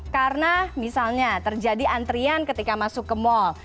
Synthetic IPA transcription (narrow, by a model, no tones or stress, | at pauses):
karnamisalɲat̪ərd͡ʒadiʔant̪ɾiankət̪ikamasʊkːəmɔl